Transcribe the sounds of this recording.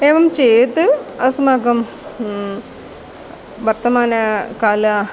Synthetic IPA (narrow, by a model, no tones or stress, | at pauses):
eːʋɐmt͡ɕejt̪ɨɐsɐmaːɡɐm | ʋɐrt̪ɐmaːnɐkaːlɐ